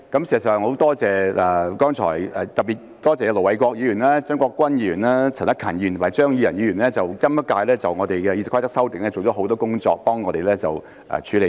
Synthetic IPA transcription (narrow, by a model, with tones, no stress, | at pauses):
kɐ˨˥msi˨sɐ˨˩sœː˨ŋho˨˧˥wt̪ɔː˥t͡sɛː˨ɛ˨kɔː˥ŋt͡ʃʰɔ̰ː˨˩jɛ˨˩t̪ɐ˨p̚piː˨˩t̚t̪ɔː˥t͡sɛː˨ɛ˧lo˨˩wɐ˨˥jkʷɔː˧k̚jiː˨˧jyː˨˩nlaː˥t͡ʃœː˥ŋkɔː˧kːʷwɐ˥njiː˧jyː˨˩nlaː˥t͡sʰɐ˨˩nt̪kʰɐː˨˩nji˧˨t̪ʰmaː˨˩jt͡ʃœː˥ŋji˨˧jɐ˨˩nji˨˧jyː˨˩nlɛː˥t͡sɐ˨wkɐ˥mjɐ˥kaː˧jlɛː˥t͡sɐ˨wŋɔː˨˧t̪e˨jkɛː˧jiː˧sɪ˨kʰa˥t̪ɐ˥k̚sɐ˥wt̪ɪ˨ŋ̚lɛː˥t͡so˨wt͡ʃɔː˨˥ɦo˧˥wt̪ɔː˥kʊ˥ŋt͡sɔ̰ː˧k̚pɔː˥ŋɔː˧t̪e˨jlɛː˥t͡sɐ˨w | ʔɛ̰ː˨˩t͡ʃʰyː˨˥le˨˧